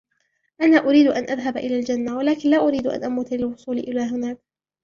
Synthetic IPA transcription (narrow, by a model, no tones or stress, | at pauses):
ʔanaːʔʊɾiːd̪ʊʔanʔaðɦabʔɪlaːld͡ʒanːawalaːkɪnlaːʔʊɾiːd̪ʔa̰nʔamuːt̪lɪlwʊsˤuːlɪʔɪlaːɦʊnaːk̚